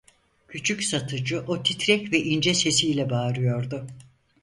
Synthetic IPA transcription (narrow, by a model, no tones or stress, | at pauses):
cʰyt͡ʃʰycʲsat̪ʰɯd͡ʒɯʔot̪ʰit̪ɾɛcvɛʔind͡ʒɛse̞sijlʲɛbaːɾɯjo̞ɾd̪ʊ